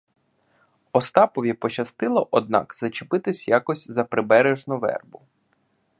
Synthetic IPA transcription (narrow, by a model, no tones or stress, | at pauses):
ɔst̪ɑpɔʋʲipɔt͡ʃɐst̪ɪlˠɐʔɔd̪̚nɑ̰kzɐt͡ʃɪpɪt̪ɪsʲjakɔsʲzɐpɾɪbɛɾeʒnʊʋɛ̰rbʊ